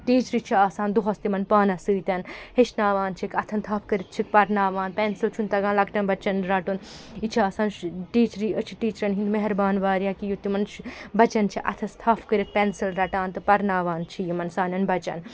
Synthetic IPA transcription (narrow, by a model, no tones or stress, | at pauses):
ʈiːt͡ʃɾit͡ʃʰiaːsaːnd̪uɦɐst̪imɐnpaːnɐsɨːt̪ʲɐnheʃnaːʋaːnt͡ʃʰikɐt̪ʰɐnt̪ʰɐːfʰkɐɾit̪̚t͡ʃʰik̚pɐɾnaːʋaːnpensilt͡ʃʰunt̪ɐɡaːnlɐkʈɐnbɐt͡ʃɐnɾɐʈun | it͡ʃʰiaːsaːnʈiːt͡ʃɾiɐt͡ʃʰi̥ʈiːt͡ʃɾɐnɦind̪meɦɐɾbaːnʋaːɾjãːkijut̪imɐnt͡ʃbɐt͡ʃɐnt͡ʃʰiʔɐ̰t̪ʰɐst̪ʰafkɐɾit̪̚pensilɾɐʈaːnt̪ɨpɐɾnaːʋaːnt͡ʃʰijimɐnsaːnʲɐnbɐt͡ʃɐ̰n